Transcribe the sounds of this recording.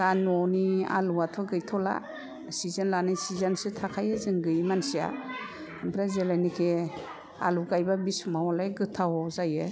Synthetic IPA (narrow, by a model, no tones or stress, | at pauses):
d̥anɔnia̰luwatʰɔɡɯjtʰɔla̰ | sizanlanɯjsizansɯtʰakʰajɯzɯŋɡɯjmansija̰ | mbʰɾazelajnikʰe | a̰luɡajbabismawɔlajɡɯtʰawɔzajɯ